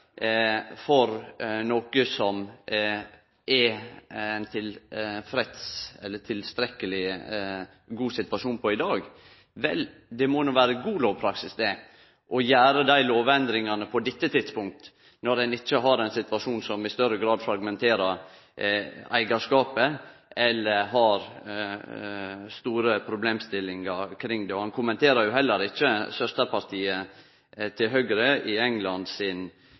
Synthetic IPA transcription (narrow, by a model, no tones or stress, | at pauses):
fɔɾnoːkəsɔm | ɛ | nt̪ʰɪlfɾɛt̪sɛlːət̪ʰɪlst̪ɾɛkːəlɪ | ɡuːsɪt̪ʋɑʂuːnpʰɔɪd̪ɑːɡ | ʋɛ̰ld̪ɛmonuːʋæːɾəɡuːloːʋpʰɾɑksɪsd̪ɛ | ʔɔjæːɾəd̪æɪloːʋɛnd̪ɾɪŋɑnəpʰɔd̪ɪt̪ːət̪ʰɪd̪spʊŋk̚t̪ | nɔɾɛnɪt͡ʃːəɦɑɾɛɪnsɪt̪ʋɑʂuːnsɔmɪst̪œɾəɡɾɑːd̪fɾɑɡmɛnt̪ʰeːɾəɾ | æ̰ɪɡɑʂkɑːpəɛlːəɾɦɑɾ | st̪uːɾəpʰɾʊbleːmst̪ɪlːɪŋɑɾkʰɾɪŋd̪ɛɔhɑnkʰʊmɛnt̪eːɾɑɾjʊɦɛlːəɾɪt͡ʃːəsœst̪əɾpʰɑɾt̪ʰiːə | t̪ʰɪlɦœɡɾəɪɛŋlɑnd̪sɪn